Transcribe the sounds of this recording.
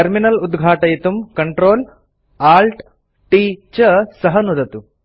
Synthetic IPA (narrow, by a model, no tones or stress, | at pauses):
ɐɾminɐlud̪ɡʱaːʈɐjit̪umkɐɳʈɾoːl | aːlʈ | ʈiːt͡ʃɐsɐɦɐnud̪ɐt̪u